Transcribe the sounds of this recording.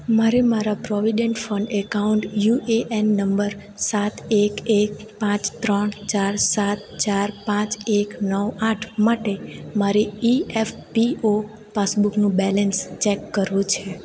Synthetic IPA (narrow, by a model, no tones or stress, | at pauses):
maɾemaɾapɾɔʋiɖeɳʈfəɳɖekauɳʈjueʔenːəmbəɾ | sat̪ekek̚ | pãt͡ʃt̪ɾəɳt͡ʃaɾsat̪t͡ʃaɾpãt͡ʃeknəʋaʈʰmaʈemaɾiiɛfpio | pasbuknũbɛlənst͡ʃɛkːəɾʋũt͡ʃʰe